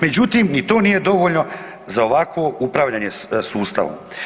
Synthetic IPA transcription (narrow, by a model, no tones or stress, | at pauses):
me̞d͡ʑut̪imnit̪o̞ːnije̞d̪o̞ʋoʎno̞ | zaoʋakʋoupɾaʋʎaɲe̞suːst̪a̰ʋo̰m